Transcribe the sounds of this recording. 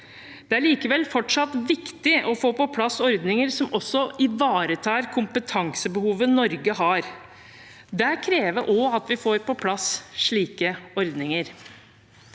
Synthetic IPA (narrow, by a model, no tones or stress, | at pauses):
d̪̥ɛæɭiːkəʋɛlːfɔʈʂɑt̪ːʋɪkt̪ɪʔɔfoːpɔpʰlɑsːɔɾd̪nɪŋəɾsɔmɔsːɔʔɪʋɑːɾət̪ʰɑːɾkʰʊmpət̪ʰɑŋsəbəhuːʋənɔɾɡəɦɑɾ | d̪ɛkʰɾeːʋəʔɔɑt̪ʋɪfoːɾpɔpʰlɑsʂɭiːkəɔɾd̪nɪŋəɾ